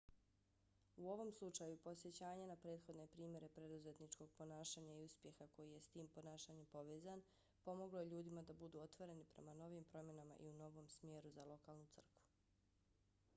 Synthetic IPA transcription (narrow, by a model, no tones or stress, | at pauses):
uo̞ʋo̞mslˠut͡ʃajupo̞sje̞t͡ɕaːɲenapɾe̞ːt̪xo̞d̪ne̞pɾiːmʲje̞ɾe̞pɾe̞d̪uze̞t̪nit͡ʃko̞ɡ̥̚po̞naːʃaːɲaiuspje̞xako̞jije̞st̪iːmpo̞naːʃaːɲempo̞ʋeːzan | po̞mo̞ɡlo̞je̞ʎuːd̪imad̪abud̪uo̞t̪ʋo̞ɾe̞nipɾe̞̰mano̞ʋiːmpɾo̞mje̞nama̰ʔḭuno̞ʋo̞ːmsmje̞ɾuzalˠo̞kaːlˠnut̪ɨr̩kʋu̥